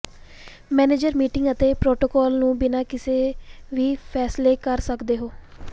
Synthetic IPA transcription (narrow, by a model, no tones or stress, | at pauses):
mɛːneːd͡ʒəɾmiːʈɪŋɡət̪eːpɾoːʈoːkɔːlnũːbɪnaːkɪseːʋiːpʰɛːsleːkəɾsəkd̪eːɦoː